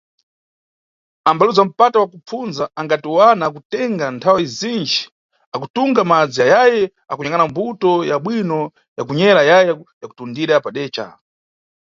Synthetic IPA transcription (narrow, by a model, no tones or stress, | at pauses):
ambaluzam̩patawakup͡funzaaŋɡatiwanakutɛŋɡantʰawizind͡ʒi̥ | akutuŋɡamad͡zijajajɛ | akuɲaŋanambutɔjaɓwinɔ | jakuɲɛɾajajɛjaku̥tundiɾapaɗɛːt͡ʃa̰